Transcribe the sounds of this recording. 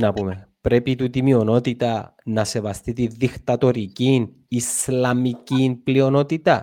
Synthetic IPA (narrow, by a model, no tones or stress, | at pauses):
nɐpume̞pɾe̞pit̪ut̪imio̞no̞t̪it̪ɐnɐse̞vɐst̪it̪inðixt̪ɐt̪o̞ɾicin | islɐmicinplio̞no̞t̪it̪ɐ̰